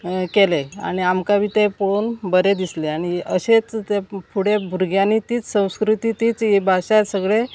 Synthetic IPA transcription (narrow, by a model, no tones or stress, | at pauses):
kelea̰ɽ̃iamkabit̪epoɽonbəɾed̪isleaɽ̃iəɕet͡st̪epʰuɽebʱuɾɡjanit̪iːt͡ssə̃w̃skɾut̪it̪iːt͡sebʱaɕasəɡɭe